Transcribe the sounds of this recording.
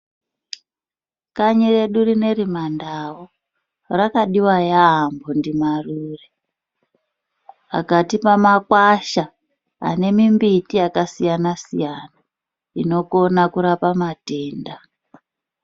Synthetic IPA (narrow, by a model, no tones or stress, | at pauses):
kaɲire̞ɗurine̞ɾimandawo | rakaɗiwajaːmbo̞ndimaruːre | a̰katipamakwaʃa | a̰ne̞mimbitijakasijanasḭjana | ino̞ko̞nakuɾapamate̞ːnda